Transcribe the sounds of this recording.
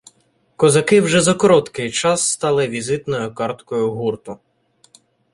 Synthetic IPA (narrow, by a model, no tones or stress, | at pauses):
kɔzɐkɪwʒɛzɐkɔɾɔt̪kɪjt͡ʃɑsːt̪ɑlˠɪʋʲizɪt̪nɔjʊkɑrt̪kɔjʊɦurt̪ʊ